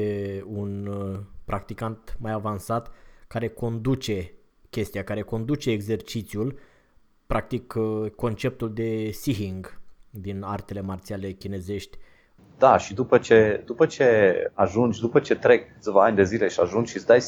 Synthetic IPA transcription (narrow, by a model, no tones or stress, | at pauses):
eunpɾʔakt̪ikant̪majavansat̪kaɾe̞ko̞nd̪ut͡ʃe̞ | kʲe̞st̪iakaɾe̞ko̞nd̪ut͡ʃe̞ːɡze̞rt͡ʃit̪siul | pɾak̚t̪ikko̞nt͡ʃe̞p̚t̪uld̪e̞siɦiŋɡd̪inart̪e̞le̞mart̪siale̞kʲine̞ze̞ʃt̪ʲ | d̪aʃid̪upət͡ʃe̞d̪upət͡ʃe̞aʒund͡ʒʲd̪upət͡ʃe̞t̪ɾe̞kːɨt̪svaanʲd̪e̞zile̞ʃiaʒunʃisd̪aj